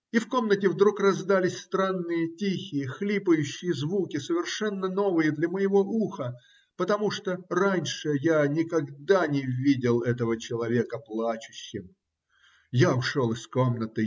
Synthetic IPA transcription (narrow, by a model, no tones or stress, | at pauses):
ifko̞mnətʲɪvd̪ɾukrɐzd̪alʲɪsʲst̪ɾanːɨjətʲixʲɪjəxlʲipəjʉɕːɪjəzvukʲɪsəvʲɪrʂɛnːəno̞vɨjəd̪lʲɐməjɪvo̞ʔuxə | pət̪ɐmuʂt̪oranʲʂɨjanʲɪkɐɡd̪anʲɪvʲidʲɪlˠɛt̪əvət͡ɕɪlˠɐvʲekəplˠat͡ɕʊ̥ɕːɪm | jaʊʂo̞lˠɪsko̞mnət̪ɨ